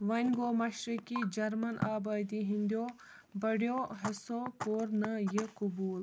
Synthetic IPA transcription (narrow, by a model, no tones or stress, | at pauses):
ʋɐnʲɡoːmɐʃɾikid͡ʒɐɾmɐnʔaːbaːd̪iɦind̪joː | bɐɽjoːɦɐsoːkoːɾnɐjəkʊbuːl